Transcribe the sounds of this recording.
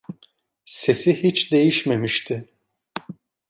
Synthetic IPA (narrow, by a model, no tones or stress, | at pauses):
se̞sihit͡ʃd̪e̞jiʃme̞miʃt̪ʰɪ